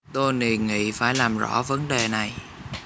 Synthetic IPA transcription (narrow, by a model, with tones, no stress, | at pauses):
t̪o˧jne˨˩nŋḭ˧˨faː˧˩jlaː˨˩mzɔ̰˧˥və˨˦nɗe˨˩na˨˩j